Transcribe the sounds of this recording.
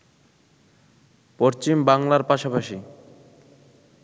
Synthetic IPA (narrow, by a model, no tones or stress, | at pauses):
poɾt͡ɕimbaŋlaɾpaʃapaʃi